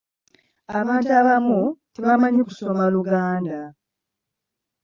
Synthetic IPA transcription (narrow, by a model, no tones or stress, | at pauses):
aβaːntaβamuteβamaɲeku̥somaluɡaːnda